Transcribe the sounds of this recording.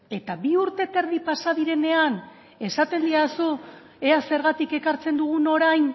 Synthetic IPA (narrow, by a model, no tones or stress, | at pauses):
e̞t̪aβiuɾt̪e̞t̪e̞ɾðipasað̞iɾe̞ne̞an | e̞sat̪e̞nd̪iasu | ease̞ɾɣat̪ike̞kaɾt͡se̞nd̪uɣ̞uno̞ɾajn